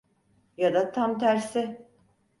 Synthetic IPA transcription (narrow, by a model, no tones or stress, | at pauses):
jad̪at̪ʰamt̪ʰæɾsɪ